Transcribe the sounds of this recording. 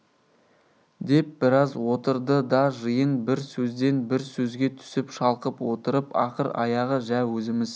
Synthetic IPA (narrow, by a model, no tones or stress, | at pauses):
d̪e̞p̚bɪɾɑzwo̞t̪əɾd̪əd̪ɑʒəjənbɪɾsɵzd̪e̞nbɪɾsɵzɡʲe̞t̪ʰʏ̥sɪpʃɑlˠqəpwo̞t̪əɾəpɑqəɾɑ̰jɑʁəʒæwɵzɪmɪz